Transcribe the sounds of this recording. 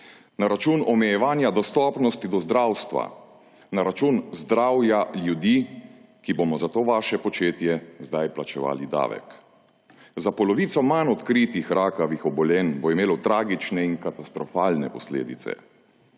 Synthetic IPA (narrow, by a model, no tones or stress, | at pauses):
naɾat͡ʃunɔmɛjɛʋaːnjad̪ɔst̪ɔːpnɔst̪id̪ɔzd̪ɾawst̪ʋa̰ | naɾat͡ʃuːnzd̪ɾawjaljud̪iː | kibomɔzat̪oːʋaːʃɛpɔt͡ʃeːt̪jɛzd̪ajplat͡ʃɛʋa̰ːlid̪a̰ːʋɛ̰k | zapɔlɔʋiːt̪sɔmanɔt̪kɾiːt̪ixɾʔaːkaʋixɔbɔlɛnboimeːlɔt̪ɾaːɡit͡ʃnɛinkat̪ast̪ɾɔfaːlnɛ̰pɔslḛːd̪ḭt̪sɛ̰